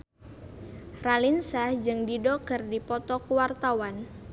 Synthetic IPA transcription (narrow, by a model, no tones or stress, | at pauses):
ralinsad͡ʒɨŋdidɔkərdipɔt̪ɔkuwart̪awan